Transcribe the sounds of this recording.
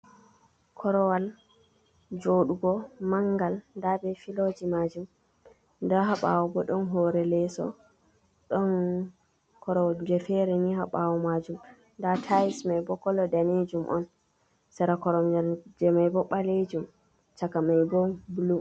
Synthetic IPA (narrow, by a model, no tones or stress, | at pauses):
kʰɔɾɔwal | d͡ʒoɗuɡɔmaŋɡalndabɛfilod͡ʒimad͡ʒum | ndaɦaɓa̰wɔbɔɗɔnɦɔɾɛlɛsɔ̰ | ɗɔn | kʰɔɾɔwd͡ʒɛfɛɾɛniɦaɓawɔmad͡ʒum | ndatʰajismajbɔkɔlɔdaned͡ʒumʔɔ̰n | sɛɾakɔɾɔmd͡ʒɛmajbɔɓaled͡ʒum | t͡ʃakamajbɔbulum